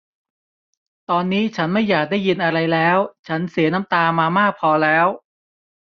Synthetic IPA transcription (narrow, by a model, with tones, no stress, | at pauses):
t̪ɔː˧nːiː˦˥t͡ɕʰa˦˥nma˥˩jːaː˨˩k̚daː˥˩ji˧nʔa˧ɾa˧jlɛː˦˥wt͡ɕʰa˦˥nsi˨˩˦ɐna˦˥mt̪aː˧maː˧maː˥˩k̚pʰɔː˧lɛː˦˥w